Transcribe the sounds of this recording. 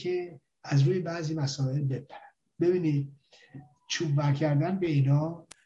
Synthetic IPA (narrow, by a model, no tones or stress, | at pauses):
kʰe | æzɾuːjebæːziːmæsɒːe̞lbe̞pʰæɾæ | be̞biːniːd̪̚ | t͡ʃʰubvæɾcʰæɾd̪ænbe̞iːnɒː